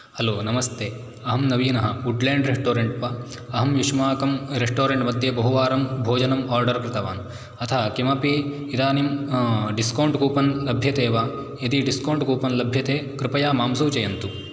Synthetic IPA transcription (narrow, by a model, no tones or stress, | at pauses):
hɐloːnɐmɐst̪eː | ɐɦɐmnɐʋiːnɐɦɐuɖleːɳɖɾeʂʈoːɾeɳʈpɐ | ɐɦɐmjuʂmaːkɐmɾeʂʈoːɾeɳʈmɐd̪ʱjɐbɐɦuʋaːɾɐmbʱoːd͡ʒɐnɐmaːɾɖɐɾkɾɪt̪ɐʋaːn | ɐt̪ʰɐɦɐkimɐpi | id̪aːnimɖiskɐwɳʈkuːpɐnlɐbʱjɐt̪eːʋaː | ɐd̪iɖiskɐwɳʈkuːpɐnlɐbʱjɐt̪eːkɾɪpɐjaːmaːmsuːt͡ʃɐjɐnt̪u